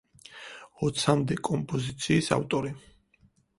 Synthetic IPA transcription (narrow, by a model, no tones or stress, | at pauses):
ɔt̪sʰamd̪ɛkʼɔmpʼɔzit̪sʰiːsa̰ft̪ʼɔɾi